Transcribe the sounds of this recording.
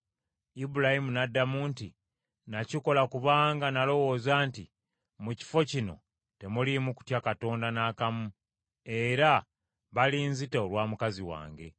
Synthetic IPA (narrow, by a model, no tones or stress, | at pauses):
ibuɾahimunadːamuːnti | naciko̞lakuβaːŋɡanalo̞wo̞ːzaːnti | muci̥fo̞cino̞̰ | te̞mulimuku̥tjakato̞ːndanaːkamu | e̞ɾa | βaliːnziteolwaːmukaziwa̰ːŋɡe̞̰